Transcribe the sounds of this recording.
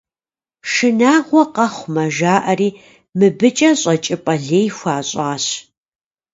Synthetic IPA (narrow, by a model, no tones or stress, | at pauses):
ʂɨnaːʁʷɔqɐχʷmɐʒaːʔɐriː | mɨbɨt͡ʃʼɐɕʼɐt͡ʃʼɪpʼɐɮeːjxʷaːɕʼɑːɕ